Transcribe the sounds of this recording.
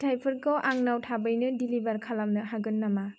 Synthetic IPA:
tʰajpʰɯɾkɔwʔaŋnawtʰabɯjnɯdilibaɾkʰalamnɯɦaɡɯnːama

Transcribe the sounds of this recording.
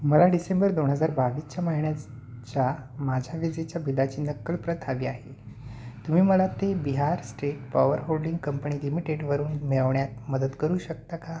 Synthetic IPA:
məlaɖisembəɾd̪onɦəd͡zaɾbaʋiːst͡ɕjamaɦiɳja | t͡ɕjamad͡ʑʱaʋid͡zet͡ɕjabid̪at͡ɕiːnəkːəɭpɾət̪ʰaʋiːaɦe | t̪um̤iːməlat̪ebiɦaɾsʈeʈ̚paʋəɾɦolɖiŋɡkəmpəɳiːlimiʈeɽʋəɾuːnmeɭəʋɳjat̪̚məd̪ət̪kəɾuːɕək̚t̪aka

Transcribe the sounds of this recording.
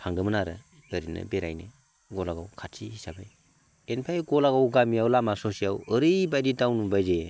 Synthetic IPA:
pʰaŋɡɯmɯnaɾɯ | ɯɾinɯ̰beɾa̰jnɯ | ɡɔlaɡawkʰatsʰihisabɯj | enpʰajɡolaɡawɡamijawlamasosijawɯɾɯjbajditawnubajze

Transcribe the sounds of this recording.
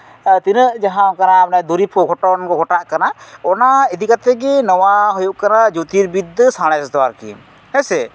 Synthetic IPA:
t̪inəʔd͡ʒaɦãkananad̪uɾipʰɔɡʰʱɔʈɔnkɔɡʰʱɔʈaʔkanaɔnaid̪ikat̪ɛɡɛnɔwaɦujuʔkanad͡ʒut̪iɾbid̪ːəsãɽ̃ɛst̪ɔwaɾkḭ | hɛsɛ

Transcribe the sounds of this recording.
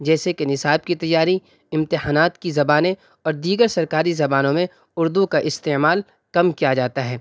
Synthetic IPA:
d͡ʒɛːsekenɪsaːb̚kit̪ɐjːaːɾi | ɪ̃mt̪ɪɦaːnaːt̪kizɐbaːnẽ | ɔːɾd̪iːɡəɾsɐɾkaːɾizɐbaːnõmẽ | ʊɾd̪ukaʔɪst̪eːmaːl | kɐmkijad͡ʒaːt̪aɦɛː

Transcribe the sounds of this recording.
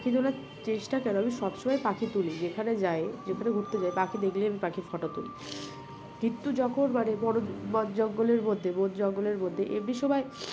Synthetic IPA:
kʰid̪olaɾ | t͡ɕeʃʈakɛnoamiʃɔbʃomajpakʰit̪ulid͡ʑekʰaned͡ʑaed͡ʑekʰaneɡʱuɾt̪ed͡ʑaepakʰid̪ekliamipakʰiɾfɔʈot̪ṵlḭ | kint̪ud͡ʑɔkʰonbaɽebɔɽobɔd͡ʑɔɡːoleɾmod̪ʱːebot̪d͡ʑɔɡːoleɾmod̪ʱːeʔebɽiʃɔbae

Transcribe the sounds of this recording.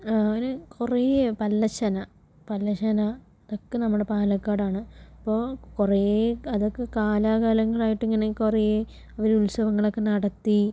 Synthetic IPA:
ŋɐnekʰurepɐlːɐɕɐnɐ | pɐlːɐɕɐnɐ | ɐðo̞kːenɐmːuɽe̞paːlɐkːaːɽaːɳɨipːo̞ːkureɐðo̞kːekaːlaːɣaːlɐŋːɐɭaːjiʈːeŋːɐnekuree | ɐʋɐɾulsɐʋɐŋːɐɭo̞kːe̞nɐɽɐt̪ːi

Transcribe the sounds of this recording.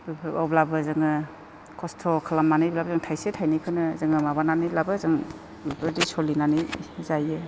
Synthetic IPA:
bibɔblabɯzɯŋɯ | kʰɔstʰɔkʰalamːanɯjblabzɯŋtʰajsetʰajnikʰɯnɯzɯŋɯmabananilabɯzɯŋ | bipʰɯɾdisɔlinanizajɯ

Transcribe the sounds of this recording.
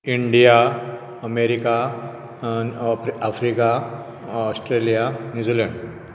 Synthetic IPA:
iɳɖija | əmeɾika | afɾika | ɔsʈɾelijanjud͡ziləɳɖ

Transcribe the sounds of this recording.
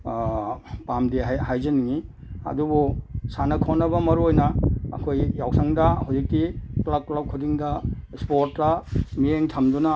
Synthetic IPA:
pamdiɦajhajzɐniŋi | ɐ̰dubusanɐkʰonɐbɐmɐɾuojnɐɐ̰kʰojːawsʰɐŋdɐhawzik̚tiklaklab̚kʰudiŋdɐspoɾtːɐmijeŋtʰɐmdunɐ

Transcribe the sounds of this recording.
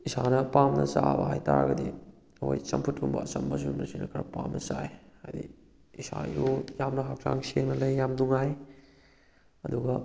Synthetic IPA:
isanɐpamnɐt͡ʃabɐɦajtaɾɡɐdi | wojt͡ʃɐmpʰutʰːuŋbɐ̰ːt͡ʃɐmbɐs̬umɐsinɐkʰɐɾɐpamnɐt͡ʃaehajdi | isajujamnɐɦak̚a̰ŋseŋnɐlɐjːamduŋaj | ɐduɡɐ

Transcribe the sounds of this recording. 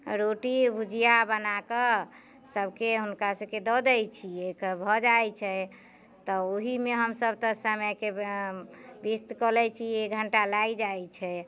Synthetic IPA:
ɾoʈibʱud͡ʒʱijabənakə | səbʱkeɦunkasəbked̪ɔd̪ɛjt͡ʃʰiekbʱɔd͡ʒajt͡ʃʰɛ | t̪ɔoɦimeɦəmsəb̚t̪əsamɛke | bist̪kəlɛt͡ʃʰieɡʱəɳʈalaid͡ʒajt͡ʃʰɛ

